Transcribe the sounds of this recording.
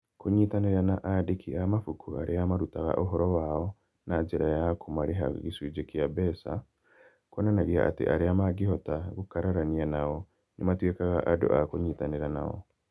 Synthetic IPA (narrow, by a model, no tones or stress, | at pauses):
koɲitaneɾanaʔadekʰiamafukʰuaɾʔeamaɾutaɣa̰ʔoɦɔɾɔwaɔ | nad͡ʒeɾajakʰomaɾeɦa̰ɣiswid͡ʒekjabɛsa̰ | kɔnanaɣiaʔa̰tḛʔaɾeamaɡiɦɔtaɣokaɾaɾanianaɔ | nʔematwekaɣaʔado̰ʔakoɲiːtaneɾana̰ɔ̰